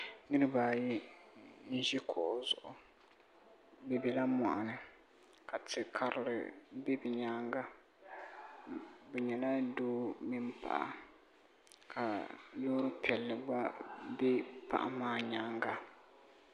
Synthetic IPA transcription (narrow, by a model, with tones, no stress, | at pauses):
nɨ˦ɾɨ˦baː˨ji˦ | n̩˦ʒi˦kʰɔ˨zʊ̰˨ʔʊ˨ | bɛ˨bɛ˨la˦ma˨ʔa˨nɨ˨ | ka˨tɨ˨kʰa˨ɾɪ̰˨lɨ̰˨bɛ˦bɛ˨ɲaː˦ŋɡa˦ | bɛ˨ɲɛ˨la˦doː˦mi˦m˦pa̰˨ʔa̰˨ | kʰa˨loː˦ɾɨ˦pi˨ɛ˨lːɨ˨ɡ͡ba˦bɛ˦pa̰˨ʔa̰˨˦maː˦ɲaː˦ŋɡa˦